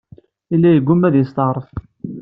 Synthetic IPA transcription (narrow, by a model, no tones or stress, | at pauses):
ilːæjəɡʷːʊmæðist̪ɑʁɾˤəf